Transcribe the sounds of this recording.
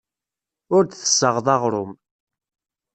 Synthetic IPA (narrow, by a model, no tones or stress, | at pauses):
ʊɾd̪θə̥sːəʁðˤɑʁɾˤʊm